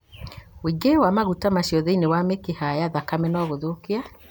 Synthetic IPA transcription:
wiɡewamaɣutamaɕiɔðeinewamekehajaðakamɛnɔɣoðokea

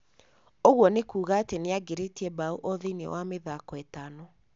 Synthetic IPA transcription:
oɣwɔnekuːɣaːteneaɡeɾetiɛbauʔɔðenḛwameðakɔɛtanɔ

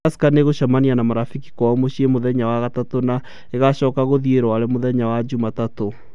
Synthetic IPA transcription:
asi̥kaneɣoɕamanianamaɾafiki̥kwamoɕiemoðɛɲawaɣatatona | eɣaɕɔːkaɣoðieɾwaɾɛmoðɛɲawad͡ʑumatato

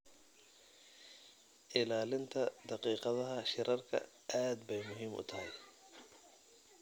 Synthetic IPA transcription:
ʔɪlaːlɪnt̪ʰɐd̪ɑqiːqɑðɐɦɐʃɪɾʔɐrkʰɐ̰ | ʔaːd̪bɛjmʊɦiːmʔʊ̰t̪ʰɐɦɪj

